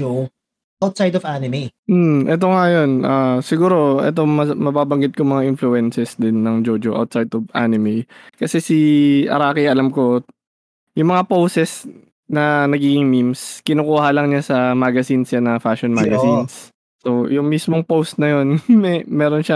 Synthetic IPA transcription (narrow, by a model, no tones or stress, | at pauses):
o | ʔawt̪̚sajd̪ɔvanɪmem̩ʔɛt̪̬o̞ŋajo̞nʔaːsɪɡuːɾo̞ʔɛ̰t̪̬o̞ŋmɐmɐbaːbɐŋɡɪt̪̚komɐŋaʔɪnfluɛnsɛsd̪ɪnːɐŋd͡ʒoːd͡ʒoʔa̰wt̪̚sajd̪ovʔa̰nɪmejkɐsɛsiʔɐ̰ɾaːkiʔɐlɐmko̞ | jʊŋmɐŋapowsɛs | nɐnɐɡiːɡɪŋmimskɪnuːkuːhalɐŋɲasɐmaːɡɐsinsjanɐfaːʃonmaɡɐsinsː | ojʊŋmismoŋpowst̪̚nɐjo̞nmɛmɛːɾo̞nʃa